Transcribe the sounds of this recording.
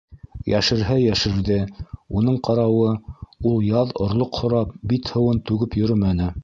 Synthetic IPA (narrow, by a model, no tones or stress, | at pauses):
jæ̰ʃɘ̆ɾɦæjæʃɘ̆ɾðɘunɤɴqɑɾɑwɤulˠjɑðŏɾlˠoqhŏɾɑp̚bit̪hɤ̆wɤnt̪ʉɡɘpjɵ̆ɾɘmænɘ